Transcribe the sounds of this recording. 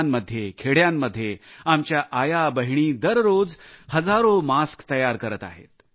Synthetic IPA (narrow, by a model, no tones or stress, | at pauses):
mːəd̪ʱːjekʰeɽjamːəd̪ʱːjeamt͡ɕjaʔajabəɦiɽ̃iːd̪əɾɾod͡zhəd͡zaɾomaskt̪əjaɾkəɾət̪a̰ɦḛt̪